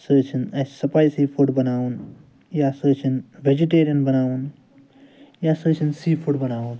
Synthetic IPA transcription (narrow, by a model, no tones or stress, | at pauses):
səːt͡ʃʰinɐssɐpajsiːpʰuʈbɐnaːʋun | jaːsəːt͡ʃʰinʋed͡ʒiʈeːɾijɐnbɐnaːʋun | jaːsəːt͡ʃʰinsiːpʰuʈbɐnaːʋun